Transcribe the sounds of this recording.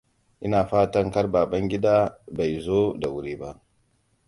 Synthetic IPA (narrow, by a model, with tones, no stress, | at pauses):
ʔɪ˦naː˨ɸaː˦tɐ˦ŋkɐ˦rbaː˨bɐ˦ŋɡʲɪ˦daː˦ba˨jzoː˦da˨wʊ˦ɾiː˦ba˦ʔ